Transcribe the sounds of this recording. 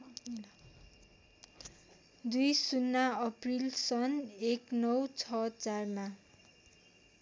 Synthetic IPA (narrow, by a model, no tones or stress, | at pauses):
d̪ujsunːaʌprilsʌneknʌwt͡sʰʌt͡sarma